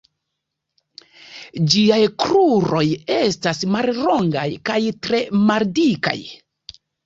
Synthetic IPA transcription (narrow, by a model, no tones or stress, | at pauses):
d͡ʒiajkɾuɾo̞je̞stasmalɾo̞ŋɡajkajtɾe̞maldika̰j